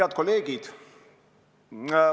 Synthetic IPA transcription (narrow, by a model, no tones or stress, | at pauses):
ɑt̪̚ko̞leːɡ̥id̪̥